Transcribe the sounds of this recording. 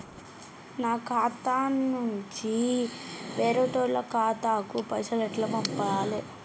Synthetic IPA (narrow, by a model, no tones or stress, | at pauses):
naːkʰaːt̪aːnːuɲt͡ʃi | ʋeːɾoːʈoːɾlɐkaːt̪aːkupɐsɐlɐʈlɐpɐmpaːli